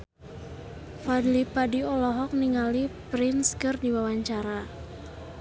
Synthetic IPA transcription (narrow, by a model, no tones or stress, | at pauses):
fadlipadiɔlɔɦɔk̚niŋalipɾɪnskɨrdiwawaɲt͡ʃaɾa